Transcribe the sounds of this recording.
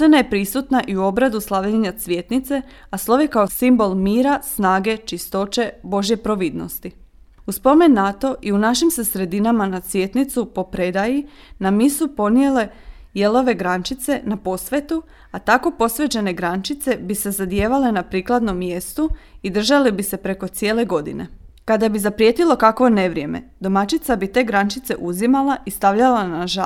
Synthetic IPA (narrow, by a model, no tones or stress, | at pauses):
enajepɾisut̪naʔiuo̞bɾad̪uslaʋʎeɲat̪sʋʲje̞t̪nit̪se̞ | aslˠo̞ʋjekaosimbo̞lˠmiːɾasnaːɡe̞t͡ʃist̪o̞t͡ʃe̞bo̞ʒje̞pɾo̞ʋid̪no̞̰st̪i | uspo̞me̞nːat̪o̞ʔiunaʃimse̞sɾe̞d̪inamanat̪sʋʲje̞t̪nit̪supo̞pɾe̞d̪aji | namisupo̞nje̞le̞ | je̞lˠo̞ʋe̞ɡɾant͡ʃit̪se̞napo̞sʋe̞t̪u | at̪ako̞po̞sʋe̞t͡ɕe̞ne̞ɡɾant͡ʃit̪se̞bise̞zad̪jeːʋale̞napɾiːklˠad̪no̞mːje̞st̪uid̪r̩ʒalibise̞pɾe̞ko̞t̪sije̞ːle̞ɡo̞d̪ḭne̞̰kad̪abizapɾjet̪ilˠo̞kakʋo̞ne̞ʋɾje̞me̞̰d̪o̞mat͡ʃit̪sabit̪e̞ːɡɾant͡ʃit̪se̞̰ʔuzimalaʔist̪aʋʎalanaʒa